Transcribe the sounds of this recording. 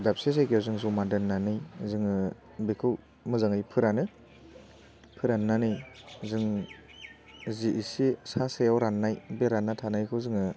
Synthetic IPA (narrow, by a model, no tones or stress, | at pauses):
dap̚ses̬ajkawzɯŋzɔmadɯnːanɯjzɯŋɯ | bekʰɯw | mɯzaŋɯjpʰɯɾanɯ | pʰɯɾanːanɯjzɯŋ | ziʔisisasejawɾanːajbeɾanːatʰanajkʰɯwzɯŋɯ